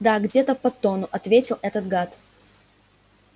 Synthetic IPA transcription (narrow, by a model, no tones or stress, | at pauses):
d̪aɡdʲet̪əpɐt̪onʊʔɐt̪vʲetʲɪlˠɛt̪ət̪̚ɡat̪